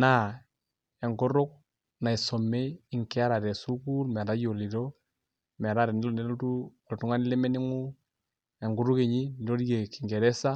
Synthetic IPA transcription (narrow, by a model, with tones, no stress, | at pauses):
na˦ | ɛ˨ŋɡʊ˦ɾʊ˦k̚ | na˨i˨sɔ˨me˦ɪ˨ŋkɛ˦a˦ɾa˨tɛ˨su˦ku˦lmɛ˨ɾa˦jo˨li˨ɾo˦ | mɛ˨ɾa˦ɾɛ˨nɪ˦lo˦ne˦lu˦tu˦˨ | ltu˦ŋa˦nɪ˦lɛ˦mɛ˦nɪ˦ŋu˦ | ɛ˨ŋɡu˨˦ɾʊ˦ke˨ɲi˦ni˨ɾo˦ɾje˨ki˨ŋɡe˨ɾɛ˦sa˦